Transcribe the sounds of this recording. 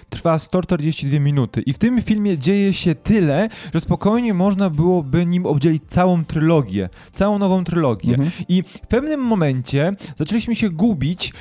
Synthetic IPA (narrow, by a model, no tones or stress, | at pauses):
t̪ɾfast̪ɔt͡ʂt̪ɛɾd͡ʑeɕt͡ɕid̪vʲjemʲinut̪ɘʔift̪ɘmfʲilmʲjɛd͡ʑejɛɕɛt̪ɘlɛʐɛspɔkɔjɲɛmɔʐnabɘwɔbɘɲimɔbd͡ʑelʲit͡ɕt̪sawɔ̃w̃t̪ɾɘlɔɡʲjɛ̰ | t̪sawɔ̃w̃nɔvɔ̃w̃t̪ɾɘlɔɡʲjɛ̰ifpɛvnɘmːɔmɛɲt͡ɕɛzat͡ʂɛlʲiɕmɘɕɛɡubʲit͡ɕ